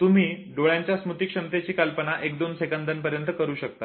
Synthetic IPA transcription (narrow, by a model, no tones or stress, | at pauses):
t̪um̤iː | ɖoɭjãɲt͡ɕjasmut̪iːkʂəmt̪et͡ɕiːkəlpənaʔekd̪onsekənd̪ənpəɾjənt̪əkəɾuːɕək̚t̪a